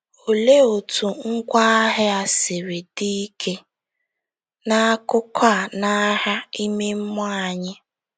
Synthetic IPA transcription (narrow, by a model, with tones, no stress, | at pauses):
o˨le˦o˨tʰu˨ŋ̩˦kʷa˦ɦɪ˦a˨sɪ˨ɾe˨di˦kʰe˦ | na˦kʊ˦kʰa˦˨na˦ɦa˦i˦me˦m̩˦mʊ˦a˨ɲɪ˦